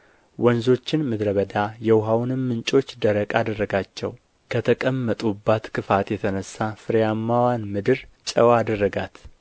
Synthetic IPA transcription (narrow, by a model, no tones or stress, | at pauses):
wɔnzo̞t͡ʃːɪnmɨd̪ɾəβəd̪ajɛwɦawnɨmːɨnt͡ʃʼo̞t͡ʃːd̪əɾəkʼad̪ərːəɡat͡ʃːɛ̰w | kʰət̪ʰəkʼəmːət̪ʼubːat̪kʰɨfat̪jɛt̪ʰənəsːafɨɾjamːawanmɨd̪ɨɾt͡ʃʼəwad̪ərːəɡat̪